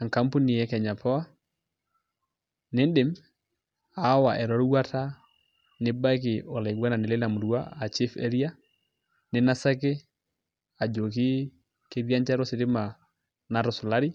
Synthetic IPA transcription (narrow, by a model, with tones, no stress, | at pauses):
a˨ŋka˦mpu˦ni˨jɛ˦kɛ˨ɲa˨pʰɔ˦a˦ | nɪ˦ndɪ˨m | a˨˦wa˨ʔɛ˨ɾɔ˨˦ɾwa˦tʰa˦ | nɪ˦ba˦k̬ɪ˨ɔ˨la˨ɡwa˦na˨nɪ˨lɪ˦la˨mu˨ɾwa˦a˨t͡ʃi˦fɛ̰˦ɾi˦a˦ | nɪ˦na˦sa˦kɪ˦ | a˨d͡ʒo˨ki˦ | ke˦ðja˦ɲt͡ʃa˦ɾɔ˦sɪ˨ɾɪ˦ma˨ | na˨ɾɔ˨sʊ˨la˦ɾi˦